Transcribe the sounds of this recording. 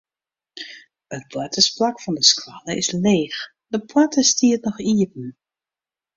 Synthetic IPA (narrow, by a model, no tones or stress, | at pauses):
ət̚pʰlatʰəsplakfɔndəskwaləɪsleːx | dəpʰwatəstiətnɔxiəp̚n̩